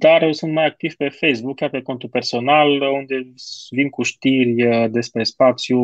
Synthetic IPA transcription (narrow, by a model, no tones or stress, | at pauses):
d̪aɾjewsunt̪majak̚t̪iv̥pe̞fejsbukʲːjarpe̞ko̞nt̪upe̞rso̞nalund̪e̞vimkuʃt̪irʲd̪e̞spɾe̞spat̪sju